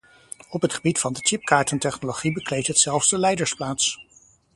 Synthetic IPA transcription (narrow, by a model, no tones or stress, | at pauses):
ɔpɦətχəbitfɑndət͡ʃɪp̚kaːɹtəntɛχnoloχibəklejtɦətsɛlˠvzdəlɛjdəɹsplaːts